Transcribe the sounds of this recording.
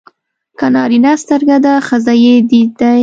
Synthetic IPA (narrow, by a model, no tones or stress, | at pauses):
kanɑɾinast̪əɾɡad̪axazajed̪id̪aj